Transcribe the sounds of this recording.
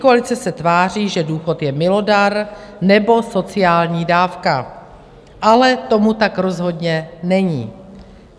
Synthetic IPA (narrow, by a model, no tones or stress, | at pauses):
koalɪt͡sɛsɛt̪vaːr̝iːʒɛduːxo̞t̪jɛmɪlo̞daɾnɛbo̞so̞t͡sɪaːlɲiːdaːfka | ʔalɛt̪o̞mut̪akɾo̞zɦo̞dɲɛnɛɲiː